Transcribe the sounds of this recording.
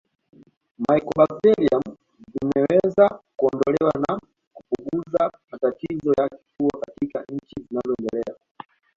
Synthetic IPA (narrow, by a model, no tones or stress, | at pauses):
maikɔɓaktɛliam | zvimɛwɛzakuɔndɔlɛwana | kupuɡuzamatatizɔjakifuɔkatika̰ɲ̩t͡ʃizinazɔɛndɛlɛa